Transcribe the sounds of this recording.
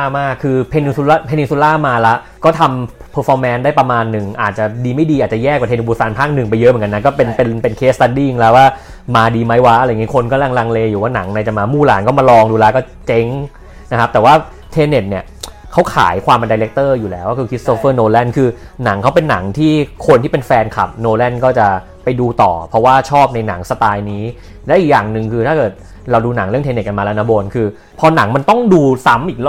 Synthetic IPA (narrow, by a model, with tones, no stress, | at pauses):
aː˥˩maː˥˩kʰːɯː˧pʰe˧ni˧nsu˧laː˥pʰe˧ni˧nsu˧˥laː˥˩maː˧la˦˥ | kɔː˥˩t̪ʰa˧m | pʰɤː˧˥fʰɔː˧mːɛ˦˥ndaː˥˩jpɾa˧maː˧nːɯ˨˩ŋʔa̰ː˨˩t̪̚t͡ɕa˨˩diː˧ma˥˩jdiː˧ʔaː˨˩t̪̚t͡ɕa˨˩jɛː˥˩k̚wa˨˩t̪ʰe˧ne˧˩buː˧˩sa˧npʰaː˥˩k̚nɯ˨˩ŋpa˧jːɤ˦˥ʔm˩˦ka˧nːa˦˥kɔː˥˩pe˧npe˧npe˧nkʰeː˦˥tst̪a˧ndi˥˩ŋlɛ˦˥waː˥˩ | maː˧diː˧ma˦˥jwa˦˥ʔa˧ɾa˧jŋi˦˥kʰo˧nkɔ˧˥˩la˧ŋla˧ŋleː˧juː˩˦waː˥˩na̰˩˦ŋna˧jt͡ɕa˨˩maː˧muː˥˩la̰ː˩˦nkɔː˥˩ma˧lɔː˧ŋduː˧laː˦˧˥kɔː˥˩t͡ɕe˦˥ŋ | na˦˥kʰa˦˥p̚t̪ɛː˨˩waː˥˩ | t̪ʰeː˧ne˨˩t̪̚ni˥˩ə | kʰa˦˥wkʰa̰ː˩˦jkʰwaː˧mʔa˧ndaː˧jle˦˥k̚t̪ɤː˥˩juː˨˩lɛː˦waː˥˩kʰɯː˧kʰi˦˥t̪̚soː˦˥fɤː˥˩noː˧lɛ˥˩nkʰɯː˧ | na˩˦ŋkʰa˦˥wp̬e˧nːa˩˦ŋt̪ʰiː˥˩kʰo˧nt̪iː˥˩pe˧nfɛː˧nkʰa̰˨˩p̚noː˧lɛ˥˩nkɔː˥˩t͡ɕa˨˩ | pa˧jduː˧t̪ɔː˨˩pʰɔ˦˥waː˥˩t͡ɕʰɔː˥˩p̚na˧jna˩˦ŋsa˧t̪aː˧jniː˦˥ | lɛː˦˥wʔiː˨˩k̚jaː˨˩ŋnɯ˨˩ŋkʰɯː˧t̪ʰaː˥˩kɤː˨˩t̪̚ | ɾa˧wduː˧na˩˦ŋɾɯ˥˩əŋt̪eː˧ne˨˩t̚ka˧nmaː˧la˦˧na˦˧˥boː˧nkʰɯː˧ | pʰɔː˧na˩˦ŋma˧nt̪ɔ˥˩ŋduː˧sa˦˥mʔiː˨˩k̚